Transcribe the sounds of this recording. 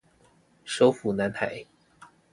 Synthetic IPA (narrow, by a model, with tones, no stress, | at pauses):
ʂo˧˥ʊfu˨˩na˧˥nt̪ʰa̰˨˩˦ɪ